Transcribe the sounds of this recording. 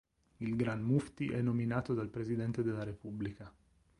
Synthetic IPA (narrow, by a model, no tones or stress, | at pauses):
ilɡɾanmuft̪iʔɛnːominaːt̪od̪alpɾezid̪ɛnt̪ed̪elːaɾepublika